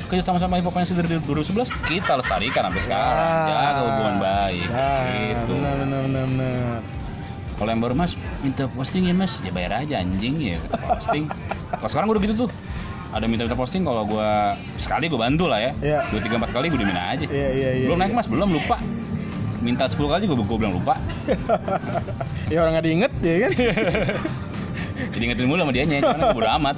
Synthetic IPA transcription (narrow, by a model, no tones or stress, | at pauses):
kəd͡ʒasamas̬ampaip̬apajaŋsədəɾdduɾʊsəbəlaskit̪aləst̪a̰ɾikana̰mpɛsə̥kaɾad͡ʒaɡaɡuanbaɪkɡitənəbənəbənəbənər | kalojaŋbaɾumasmint̪əpɔst̪ɪŋjamasjabaja̰ɾad͡ʒaa̰ɲd͡ʒɪŋja̰kət̪pɔ̰st̪ɪŋkalosəkaɾaŋɡudɡit̪ut̪̬ʊ | adamint̪aint̪arpɔst̪ɪŋkaloɡua | sə̥kaliɡuabant̪ulahjajaɡuat̪iɡaəmpat̪̚kaliɡuadimina̰a̰d͡ʒajaijabəlʊmnaɪk̚masbəlʊmlupa | mint̪alsə̥pulukaliɡuabəɡuabəlaŋlṵpa | jaoɾaŋadaiŋət̪̚d͡ʒɛkan | d͡ʒadiŋət̪ɪnmulamadiaɲaabudamat̪̚